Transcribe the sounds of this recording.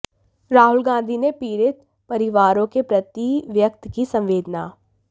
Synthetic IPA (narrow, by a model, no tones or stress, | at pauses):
ɾaːɦʊlɡãːnd̪ʱinepiːɾɪt̪ | pɐɾɪʋaːɾõkepɾɐt̪iʋjək̚t̪kisɐ̃mʋeːd̪naː